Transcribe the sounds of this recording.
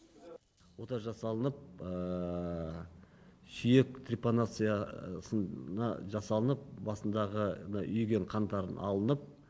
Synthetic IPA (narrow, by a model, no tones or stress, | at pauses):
wo̞t̪ɑʒɑsɑlˠənəp̚ə | sʏjek̚t̪ʰriponat̪sɨjasənnɑʒɑsɑlˠənəp̚bɑsənd̪ɑʁənɑʔʏjɡʲeɴqʰɑnt̪ɑɾənʔɑlˠənəp̚